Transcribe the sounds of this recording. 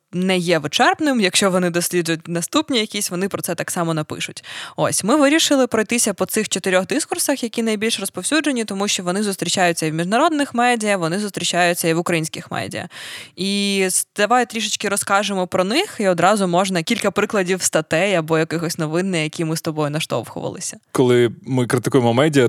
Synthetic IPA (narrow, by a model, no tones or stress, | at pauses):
nɛjɛʋɪt͡ʃɛrpnɪmjɐkʃt͡ʃɔʋɔnɪd̪ɔsʲlʲid͡ʒʊjʊt̚ʲnɐst̪upnʲijɐkʲisʲʋɔnɪpɾɔtsɛt̪ɑksɑmɔnɐpɪ̰ʃʊtʲo̰sʲmɪʋɪɾʲiʃɪlˠɪpɾɔjt̪ɪsʲɐpɔt̪sɪxt͡ʃɔt̪ɪɾʲɔɣd̪ɪskʊrsɐxjɐkʲinɐjbʲilʲʃrɔspɔwsʲud͡ʒenʲit̪ɔmuʃt͡ʃɔʋɔnɪzʊst̪ɾʲit͡ʃajʊt͡sʲːɐiwmʲiʒnɐɾɔd̪nɪxmɛdʲijɐʋɔnɪzʊst̪ɾʲit͡ʃajʊt͡sʲːɐiʋʊkɾɐjinʲsʲkʲɪxmɛ̰dʲḭjɐ̰id̪̥ɐʋajʊt̪ɾʲiʃ̬ɪt͡ʃkɪɾɔskɑʒemɔpɾɔnɪxiɔd̪ɾɑzʊmɔʒnɐkʲilʲkɐpɾɪklˠɐdʲiwst̪ɐt̪ɛjɐbɔjɐkɪxɔsʲnɔʋɪnːɪjɐkʲimɪst̪ɔbɔjʊnɐʃt̪ɔ̰wxʊ̰ʋɐ̰lˠɪ̰sʲɐ̥kɔlˠɪmɪkɾɪt̪ɪkujemɔmɛdʲijɐ